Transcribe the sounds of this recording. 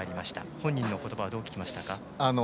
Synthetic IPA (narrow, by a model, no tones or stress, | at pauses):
aɾʲimaɕi̥t̪a̰hõ̞ɲ̟ːĩnːo̞ko̞t̪o̞baβad̪oːkʲkʲimaɕi̥t̪aka | ano